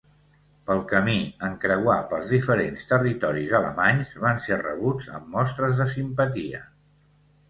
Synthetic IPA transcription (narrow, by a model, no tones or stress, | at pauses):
pəlˠkəmiəŋkɾəwapəlˠzðifəɾenst̪ərit̪ɔɾizələ̰maɲzβanserə̰β̞ud͡zə̰mːɔst̪ɾəzðəsimpət̪iə̰